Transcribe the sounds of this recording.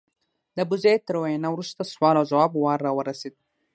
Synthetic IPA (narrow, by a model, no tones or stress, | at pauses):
d̪əbʊzejt̪əɾwajanawɾust̪aswɑlawzawɑbwɑɾːɑwəɾased̪̚